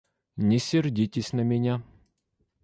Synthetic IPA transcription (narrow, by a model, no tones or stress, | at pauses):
nʲɛsʲɪrdʲitʲɪsʲnɐmʲɛnʲa